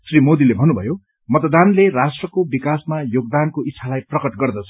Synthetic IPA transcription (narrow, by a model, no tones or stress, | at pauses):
srimod̪ilebʱʌnːubʱʌjo | mʌt̪d̪anlerasʈrʌkobikasmajoɡ̚d̪ankoit͡sʰːalajprʌkʌʈɡʌrd̪ʌt͡sʰʌ̥